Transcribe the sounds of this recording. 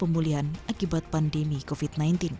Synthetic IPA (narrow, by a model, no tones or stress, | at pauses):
pəmuliɦanʔakibat̪̚pandemikofit̪̚najnt̪ɪn